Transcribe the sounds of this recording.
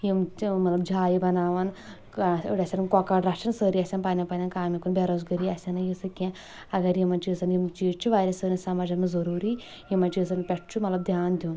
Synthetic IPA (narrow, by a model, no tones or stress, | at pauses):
jimmɐt̪lɐbd͡ʒʱaːjibɐnaːʋɐn | ɽʲɐsʲɐnɐnkɔkaːɖɾɐʂɐnsəːɾiɐsʲɐnpɐnʲɐpɐnʲɐnkaːmʲikunbeɾozɡɐɾiɐsɐnɐjisɐkːe | ɐɡɐɾimɐnt͡ʃisɐnjimt͡ʃiːʈt͡ʃuʋaːɾʲɐsəːnɐsɐmad͡ʒɐmɐzɐɾuːɾi | imɐt͡ʃis̬ɐnpʲeʈt͡ʃumɐt̪lɐbd̪ʱjaːnd̪ʲun